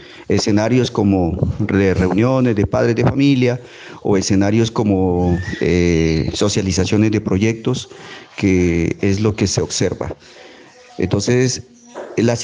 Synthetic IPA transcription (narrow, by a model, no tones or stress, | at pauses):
ese̞naɾjo̞sko̞mod̪ere̞unjo̞ne̞zðepaðɾe̞zðefamilja | o̰ese̞naɾjo̞sko̞moeso̞sjalisasjo̞ne̞zd̪e̞pɾo̞ʝe̞k̚t̪o̞skeezlo̞ke̞seobse̞ɾβa̰ | ḛnt̪o̞nses | las